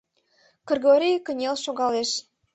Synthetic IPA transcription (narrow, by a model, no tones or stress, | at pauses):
kə̆rɣoɾʲijkə̆nʲelʃoɣɑleʃ